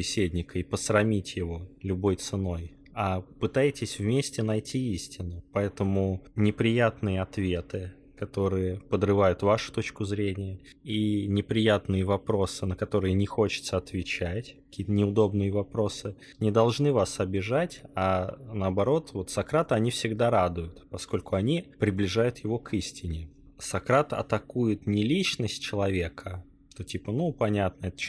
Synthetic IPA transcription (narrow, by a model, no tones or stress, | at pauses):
ɪsʲedʲnʲɪkəipəsɾɐmʲitʲjɪvo̞lʲʊbo̞jt̪sɨno̞j | apɨt̪ajɪtʲɪsʲvmʲesʲtʲɪnɐjtʲiisʲtʲɪnʊpɐɛt̪əmʊnʲɪpɾʲɪjat̪nɨjəɐt̪vʲe̞t̪ɨ | kɐt̪o̞ɾɨjəpəd̪rɨvajʊt̪vaʂʊ̥t̪o̞t͡ɕkʊzɾʲenʲɪjə | inʲɪpɾʲɪjat̪nɨjəvɐpɾo̞sɨnəkɐt̪o̞ɾɨjənʲɪxo̞t͡ɕɪt̪səɐt̪vʲɪt͡ɕætʲkɐ̥kʲijət̪ənʲɪʊd̪o̞bnɨjəvɐpɾo̞sɨ | nʲɪd̪ɐlˠʐnɨvasɐbʲɪʐatʲanəɐbɐɾo̞t̪vo̞t̪sɐkɾat̪ɨɐnʲifsʲɪɡd̪aɾad̪ʊjʊt̪pɐsko̞lʲkʊɐnʲipɾʲɪblʲɪʐajʊt̪jɪvo̞kʰisʲtʲɪnʲɪ | sɐkɾat̪ɐ̰t̪ɐkujɪt̪nʲɪlʲit͡ɕnəsʲt̚ʲt͡ɕɪlˠɐvʲe̞kʰə | ʂʂt̪otʲipənupɐnʲat̪̚nəɛt̪ə̥